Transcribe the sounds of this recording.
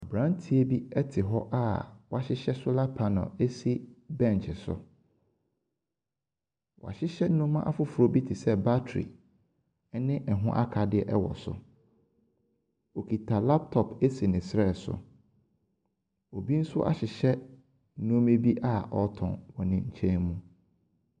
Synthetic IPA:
a˨bɾã˦n˦tʰi˨e˦bi˦ɛ˦tʰɪ˨ɦɔ˦ʔa˦wɔ˨˦a˦ɕɪ˦ɕɛ˦sʊ˦la˦pʰa˨nɔ̰̃˨e˦si˦bɛ̃˦˨n˨t͡ʃʰɪ˨sʊ̰˨ | wɔ̰˨a̰˨ɕɪ˦ɕɛ˦nʊ̃˦mã˦ʔa˦fʊ˦fʊ˨ɾo˦bi˦tʰɪ˨sɛ˦ba˦tʰɾḭ˨˦ | nɪ̃˦ʔɛ˨ɦʊ̰̃˦ʔa˦kʰa˨dɪ˦ɛ˦ʔɛ˦wɔ̰˨sʊ̰˦ | o˨kʰi˨tʰa˨la˦p̚tʰɔ˨pʰe˦si˨nɪ̃˨sɾɛ˦˨sʊ̰˨ | o˨bi˦n̩˦sʊ˦a̰˨ɕɪ˨ɕɛ˦ | nũ˦me˦bi˦ʔa˦ɔ˦tʰɔ̰̃˨nwɔ˨nɪ̃˨ɲ̩˨t͡ɕʰɛ̃˦nmũ˦

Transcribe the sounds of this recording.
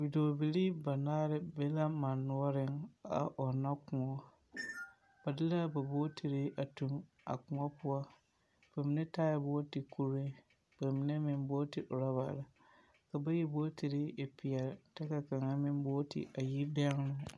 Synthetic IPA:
bi˨doː˨bi˨li˦ba˨naː˦ɾɪ˦be˦la˦ma˨nːu˦ɔ˦ɾɪ˦ŋa̰˨ʔɔ˨na˦kũ˨ŋɔ˦ | b̥a˨dɪ˦la˦ba˨bo˦tʰɪ˨ɾɪ˦ʔa˨tu˨m | a̰˨kʊ̃˨ŋɔ˦pʊ˦ɔ˦ | b̥a˨mɪ˨˦nɛ˦taː˦ja˨boː˦tɪ˨ku˦ɾɪ˦ | b̥a˨mɪ˨nɛ˦mɪ˨m˦boː˦tɪ˨ʔʊ˨ɾa˦ba̰˨la˨ | ka˨ba˦ji˦boː˦tɪ˨ɾɪ˦e˨pi˨a˨tɛ˦ka˨ka˨ŋa˦mɪ˦m˦bo˦tɪ̰˨ʔa˨ji˦bɛ˦ŋ˦nʊ˦

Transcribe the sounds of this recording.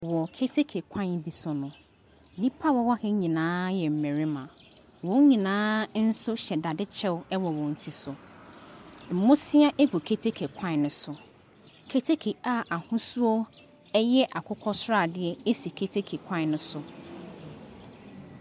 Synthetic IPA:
wɔ˨kʰe˦tʰe˦kʰe˨kʷʰã˦n˦bi˨sʊ˨nʊ̃˨ | nĩ˦pʰa˦wɔ˦wɔ˦hɛ˦ɲĩ˨nãː˨˦jɛ˨m̩˨mɛ̃˨ɾi˦mã̰˨ | wɔ̃˨˦ɲĩ˨nãː˦n̩˦sʊ˦ɕɛ˨da˨dɪ˦t͡ɕʰɛ˦wɛ˦wɔ˨wɔ̃˨n̩˨tʰi˨sʊ˨ | m̩˨mõ˦sɪ˦a˦ʔɛ˦ɡu˨kʰe˦tʰe˦kʰe˨kʰã˦˨nʊ̃˦sʊ˨ | kʰe˦tʰe˦kʰe˨a˨ʔa˨hʊ̃˦su˦o˦ | ɛ˦jɛ˦ʔa˨kʰʊ˦kʰɔ˦sʊ˦ɾa˦˨dɪ˦ɛ˨e˦si˨kʰe˦tʰe˦kʰe˨kʷʰã˦˨nʊ̃˦sʊ˨

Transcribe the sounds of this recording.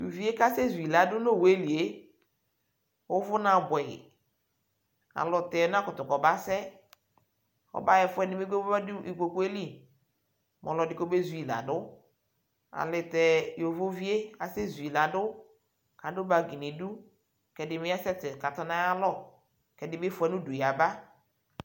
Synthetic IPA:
jṵ˨vi˦e˦ka˦se˦zu˨i˨la˨dʊ˦no˦˨we˦˨li˨e˦ | wo˦vʊ˦na˨bʷɛ˨ɪ̰˨ | a̰˨lɔ˨tɛ˨˦n˦a˦kʊ˨tʊ˨kɔ˨ba˦sɛ˦ | ɔ̰˨˦ba˦jɛ˨fʊ˦ɛ˦nɪ˨˦me˦ɡi˨ko˨ku˦e˦li˦ | mʔɔ˨lɔ˨dɪ˦ko˦be˦zu˨i˨la̰˨dʊ˦ | a̰˨lɪ˨tɛ˨jo˨vo˦vi˦e˦a˨se˦zi˨la˨dʊ˦ | ka˨˦dʊ˦ba˨ɡi˨ni˨du˦ | kɛ˨dɪ˨mɪ˦a˦sɛ˦tɪ˨ka˨tɔ˦nã˦ja˦lɔ˦ | kɛ˨dɪ˨bɪ˦fʊ˨˦ɛ˨˦nʊ̃˦du˨ja˨ba˦

